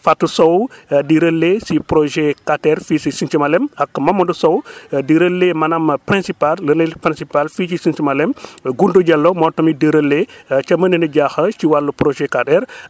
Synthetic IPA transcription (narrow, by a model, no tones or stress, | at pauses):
fatːusowdiɾəlːesipɾoʒekatɛɾfisisint͡ʃimalɛmɐkːmɐmɔdusowdiɾəlːemɐnɐmpɾɛ̃nsipalːənelpɾĩnsipalfit͡ʃisint͡ʃimɐlɛmɡunduɟɐlːomɔtɔmidiɾəlːet͡ʃɐmənənəɟaxɐt͡ʃiwalːupɾoʒɛkatɛɾ